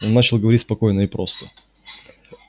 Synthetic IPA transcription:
onːat͡ɕɪlˠɡəvɐɾitʲspɐko̞jnəɪpɾo̞st̪ə

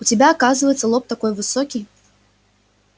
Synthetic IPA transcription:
ut͡sʲɪbʲaːkazɨvəjɛt̪sɐlˠɔp̚t̪akɔjvɨsɔkʲi

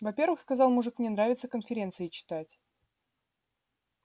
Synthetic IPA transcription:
vɐpʲe̞ɾvɨxskɐzɑlˠmʊʐɨkmnʲenɾavʲɪt̪səkənfʲɪɾʲe̞nt̪sɨɪt͡ɕɪ̥t̪atʲ

